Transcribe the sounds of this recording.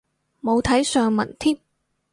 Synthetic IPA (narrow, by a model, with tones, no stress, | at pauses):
mo˨˧wt̪ʰɐ˨˥jsœː˨˧ŋmɐ̰˨˩nt̪ʰiː˥p̚